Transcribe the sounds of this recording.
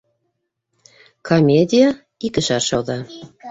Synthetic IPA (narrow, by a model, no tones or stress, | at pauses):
kʰomʲed̪ʲija | ikə̆ʃɑrʃɑwd̪ɑ